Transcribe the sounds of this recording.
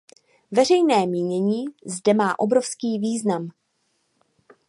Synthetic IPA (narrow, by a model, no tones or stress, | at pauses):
vɛrɛjnɛːmiːɲɛɲiːzdɛmaːʔo̞bɾo̞fskiːviːznam